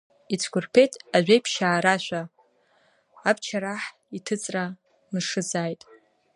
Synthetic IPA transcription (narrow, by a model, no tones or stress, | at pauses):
it͡sʰɡʷʊrpʰe̞jtʼaʒᶣʷejpʰʃaːɾaʃʷᶣa | bt͡ʃʰaɾaħ | itʰɨt͡sʼra | nɨʂɨzaːjtʼ